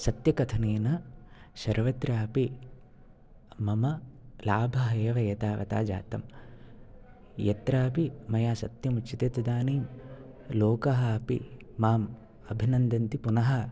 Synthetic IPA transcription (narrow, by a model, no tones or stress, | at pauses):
sɐt̪jɐkɐt̪ʰɐneːnɐsɐɾʋɐt̪ɾaːpi | mɐmɐlaːbʱɐɦɐeːʋɐjɐt̪aːʋɐ̰t̪a̰ːd͡ʒa̰ːt̪ɐm | jɐt̪ɾaːpimɐjaːsɐt̪jɐmut͡ʃʃit̪eːt̪ud̪aːniːm | loːkɐɦɐːpḭ | maːm | ɐbʱinɐnd̪ɐnt̪ipunɐɦɐ